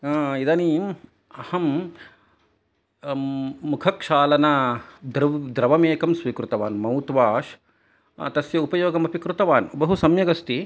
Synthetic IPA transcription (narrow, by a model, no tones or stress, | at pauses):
id̪aːniːm | ɐhɐm | ukʰɐkʂaːlɐnad̪ɾd̪ɾɐʋɐmeːkɐmsʋiːkɾut̪ɐʋaːnmɐwt̪ʋaːʃ | t̪ɐsjɐupɐjoːɡɐmɐpikɾut̪ɐʋaːnbɐɦusɐmjɐɡɐst̪i